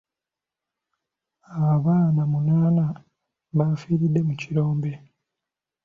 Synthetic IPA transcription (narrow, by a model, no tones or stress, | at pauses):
aβaβaːnamunaːna | βafiːɾidːe̞muciɾoːmbe̞